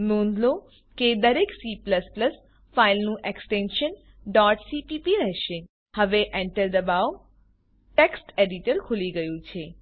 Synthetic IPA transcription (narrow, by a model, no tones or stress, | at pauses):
nõːnd̪lo | ked̪əɾeksipləspləs | failnũʔeksʈẽnʃən | ɖɔʈsipipiɾɛɦʃe | həʋeʔɛɳʈəɾd̪əbaw | ʈeksʈeɖiʈəɾkʰʊliɡəjũt͡ʃʰe